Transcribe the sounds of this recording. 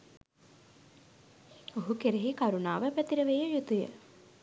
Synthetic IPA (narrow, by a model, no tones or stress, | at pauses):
oɦukeɾeɦikaɾunaːʋəpæt̪iɾəʋejəjut̪ujə̰